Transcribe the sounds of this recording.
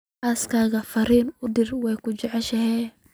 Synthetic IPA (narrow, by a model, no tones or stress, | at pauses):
aːskʰaːɣɐfɐɾiːnʊdɪrwɛjkʰʊt͡ʃɛʕɛʃɐɦɛː